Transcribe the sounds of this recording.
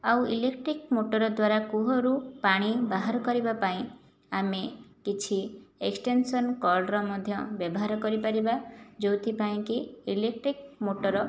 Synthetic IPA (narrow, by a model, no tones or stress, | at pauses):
awilekʈɾikmoʈɔɾɔd̪waɾakuɦɔɾupaɽ̃ibaɦaɾɔkɔɾibapaĩ | amekit͡ʃʰieksʈensɔnkɔɾɖɾɔmɔd̪ʱjɔbjɔbɔɦaɾɔkɔɾipaɾibad͡ʒowt̪ʰipaĩkiilek̚ʈɾikmoʈɔɾɔ